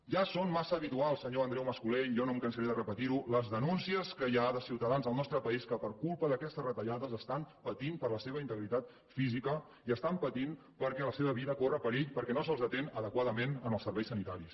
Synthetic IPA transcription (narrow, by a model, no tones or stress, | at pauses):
ʒasonmasəːβit̪ualˠsəɲoənd̪ɾɛwməskuleʒɔnomkənsəɾiðərəpət̪iɾuləzðənunsiəskəʒaðəsiwt̪əðanzðəlˠnɔst̪ɾəpəiskəpəɾkulˠpəðəkɛst̪əzrət̪əʎaðəzəst̪ampət̪impəɾləseβ̞əint̪əɣɾit̪at̪̚ | fizikə | iəst̪ampət̪in | pəɾkɛləseβəβiðəkorəpəɾeʎpəɾkɛnosəlzðət̪enəðəkwaðəmenənəlˠsəɾβɛjsənit̪aɾis